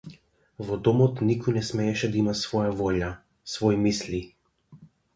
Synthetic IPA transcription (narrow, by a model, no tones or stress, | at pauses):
vɔd̪omɔt̪nikɔnɛsmɛjɛʃɛd̪aimasʋɔːjavolja | svɔjmislʲi